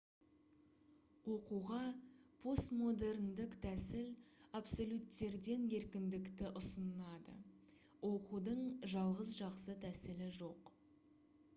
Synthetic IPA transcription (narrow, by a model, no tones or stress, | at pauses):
wo̞quʁɑpʰo̞st̪mo̞d̪e̞ɾnd̪ɪkt̪ʰæsɪlapso̞lʲut̪ːe̞ɾd̪e̞nje̞ɾkʲɪnd̪ɪkt̪ɪʔʊsənɑd̪ə̰ | wo̞qud̪əɴʒɑlˠʁəzʒɑqsət̪ʰæsɪlɪʒo̞q